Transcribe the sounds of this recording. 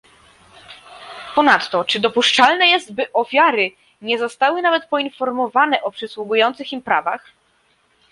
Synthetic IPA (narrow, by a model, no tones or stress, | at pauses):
pɔnat̪ːɔt͡ʂɘd̪ɔpuʂt͡ʂalnɛjɛzd̪̚bɘʔɔfʲjaɾɘ | ɲɛzɔst̪awɘnavɛt̪̚pɔinfɔɾmɔvanɛʔɔpʂɘswuɡujɔnt̪sɘximpɾa̰vax